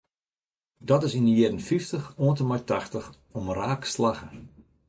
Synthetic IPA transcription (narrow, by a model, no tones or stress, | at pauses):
dɔtɪsindəjɪdən̩fiftəxoəntəmajtaxtəx | ɔmraːkslaɣə